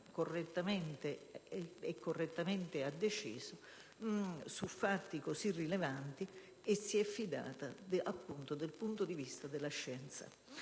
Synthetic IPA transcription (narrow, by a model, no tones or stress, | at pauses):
korːɛt̪ːamɛnt̪e | ɛkːorːɛt̪ːament̪ɪad̪ːet͡ʃḭːsʊ | sufːat̪ːikosirːilevant̪i | esːiɛfːid̪a̰ːt̪ad̪apːunt̪od̪elpunt̪od̪ivist̪ad̪ɪlaʃːɛnt̪sa̰